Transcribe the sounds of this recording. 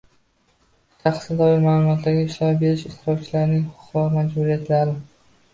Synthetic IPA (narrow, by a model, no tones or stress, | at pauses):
ʃʰaχsɪd̪ɒɪɾmaːlˠʊmɒt̪ʰd̪aɡʲaɪʃt̪apbe̞ɾɪʃɪʃt̪ɪɾɒkt͡ʃʰɪlaɾnɪŋhʊʊ̥qvɒɾmad͡ʒbuɾijat̪ʰlaɾɪ